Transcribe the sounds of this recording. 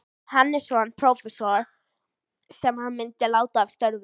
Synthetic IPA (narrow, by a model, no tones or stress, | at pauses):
hanːɪ̥sɔanpʰɾowfɛsɔɹ | sɛmhanmɪnt̪ɪlaːwt̪av̥st̪œɾv